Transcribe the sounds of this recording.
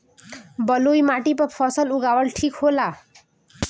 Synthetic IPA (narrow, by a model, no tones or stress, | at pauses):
bʌlojmaʈipʌpʰʌsʌluɡawʌlʈʰikhola